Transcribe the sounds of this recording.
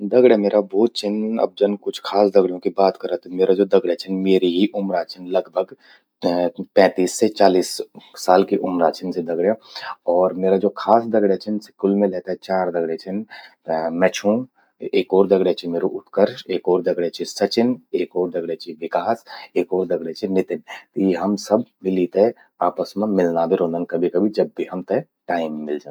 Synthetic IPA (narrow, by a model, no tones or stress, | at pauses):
d̪ɐɡɽemeːɾaboːt̪̚t͡ʃɪnɐ̰b̚d͡ʒənkʊt͡ʃʰkʰaːsd̪ɐɡɽjõkibaːt̪kɐɾat̪meːɾad͡ʒoːd̪ɐɡɽet͡ʃʰɪnmeːɾiɦiʔʊmɾaːt͡ʃɪnlɐɡbʱəɡ | pɛ̃ːt̪iːsːet͡ʃaːliːsːaːlkiʔʊmɾaːt͡ʃʰɪnsed̪ɐɡɽjeɔːɾmeːɾad͡ʒoːkʰaːsd̪ɐɡɽet͡ʃʰɪnsɪ̥kʊlmẽlɛːt̪aɦɛt͡ʃaːɾd̪ɐɡɽet͡ʃʰɪn | mɛt͡ʃʰũ | eːkɔːɾd̪ɐɡɽet͡ʃʰimeːɾoʔʊt̪kəɾʃeːkɔːɾd̪ɐɡɽet͡ʃʰisɐt͡ʃɪneːkɔːɾd̪ɐɡɽet͡ʃʰiʋɪkaːseːkɔːɾd̪ɐɡɽet͡ʃʰinɪt̪ɪnt̪jeɦɐmsɐb̚milit̪eɛ | aːpəsmẽmɪlnab̪ʱeɾõnd̪ənkɐbʱikɐbʱid͡ʒɐb̚ːiɦɐmt̪ɛ | ʈaːɪmːɪld͡ʒaː